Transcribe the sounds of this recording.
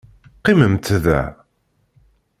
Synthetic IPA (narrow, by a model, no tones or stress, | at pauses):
qːiməmt̪ðæ̰